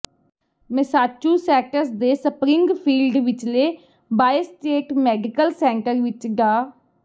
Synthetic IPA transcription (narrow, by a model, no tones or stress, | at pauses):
mɪsaːt͡ʃuːsɛːʈəɾsd̪eːsəpɾɪ̃ŋɡpʰiːlɖʋɪt͡ʃleː | baːisʈeːʈmɛːɖɪkəlsɛ̃ːɳʈəɾʋɪt͡ʃɡaː